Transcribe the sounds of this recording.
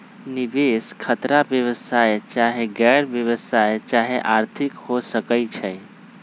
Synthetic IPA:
nibeskʰət̪ɾabjəβəsajt͡ʃaɦeɡɛɾbjəβəsajt͡ʃaɦeʔaɾt̪ʰikhosəkəɪt͡ʃʰə

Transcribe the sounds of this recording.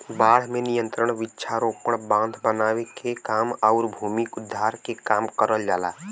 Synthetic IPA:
baːɽ̤menijə̃nt̪ɾəɽ̃ʋɪtːʃʰaɾoːpəɽ̃bãːnd̪ʱbənaːwekekaːmɔʊɾbʱuːmikʊd̪ʱːaːɾkekaːmkəɾəld͡ʒaːla̰ː

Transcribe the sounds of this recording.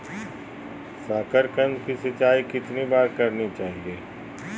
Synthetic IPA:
saːkəɾkə̃nd͡ʒkisɪt͡ʃaːikɪt̪nibaːɾkɐɾnit͡ʃaːɦieː

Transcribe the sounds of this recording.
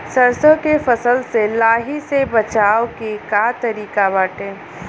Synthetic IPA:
səɾsokefɐsəlselaːɦisebɐt͡ʃaːwkekaːt̪əɾiːkabaːʈẽː

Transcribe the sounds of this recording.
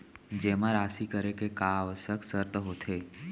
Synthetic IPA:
d͡ʒeːmãɾaːsikəɾekekaːʋəsjəksəɾt̪əɦot̪ʰeː

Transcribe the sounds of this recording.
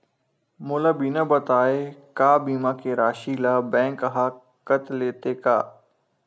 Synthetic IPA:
mʊlabiːnə̃bət̪aːeːkaːbiːmãːkeɾaːʃiːlaːbɛ̃ːŋkəɦaː | kət̪leːt̪eːka̰ː

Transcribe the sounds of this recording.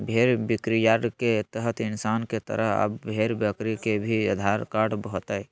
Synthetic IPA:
bʱeɾbikɾijaɾket̪əɦət̪ɪnsaːnket̪ə̰ɾəɦə̰bːʱeɾbjəkɾikebʱiəd̪ʱaɾkaɖbɔt̪əj

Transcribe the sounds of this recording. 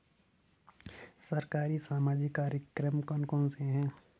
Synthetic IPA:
sɐɾkaːɾisaːmaːd͡ʒɪkːaːɾjəkɾəmkɔ̃ːnkɔ̃ːnseɦɛ̃ː

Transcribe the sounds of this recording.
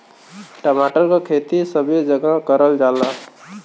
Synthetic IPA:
ʈəmaːʈəɾkakʰeːt̪isəbʱid͡ʒəɡakəɾəld͡ʒaːlaː

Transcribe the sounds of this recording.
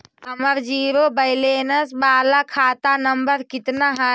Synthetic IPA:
ɦəməɾd͡ʒiːɾobəɪlenəsbaːlakʰaːt̪anəmbəɾkit̪naɦa

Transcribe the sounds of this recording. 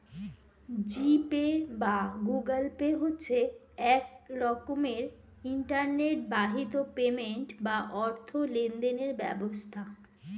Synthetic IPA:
d͡ʑipebaɡuɡəlpeɦotːɕʰe | ɛk̚ɾɔkomeɾ | iɳʈaɾneʈ̚baɦit̪opemeɳʈbaʔɔɾt̪ʰolend̪eneɾbɛ̰bost̪ʰa

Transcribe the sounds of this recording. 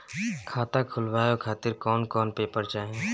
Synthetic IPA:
kʰaːt̪akʰʊlwaːjokʰaːt̪ɪɾkɔːnkɔːnpeːpəɾt͡ʃaːɦẽ

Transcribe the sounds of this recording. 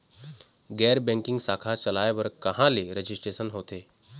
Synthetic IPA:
ɡɛɾbɛ̃ŋkĩŋɡsakʰat͡ɕəlajʋəɾkəɦãleɾəd͡ʑisʈɾesənɦot̪e

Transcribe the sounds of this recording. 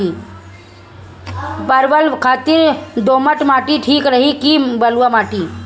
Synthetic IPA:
i | pɐɾʋəlkʰaːt̪ɪɾd̪oːməʈmaːʈiʈʰiːkɾəɦikibɐlʋamaːʈi

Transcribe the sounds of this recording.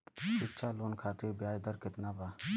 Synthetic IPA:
ɪtːʃʰaːloːnkʰaːt̪iɾbɪjaːjd̪əɾkɪt̪naːbaː

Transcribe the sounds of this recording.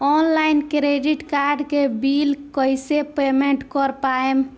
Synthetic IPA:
ɔnlajnkɾeɖiʈkaɾɖkebilkəjsepemeɳʈkɔɾpaem

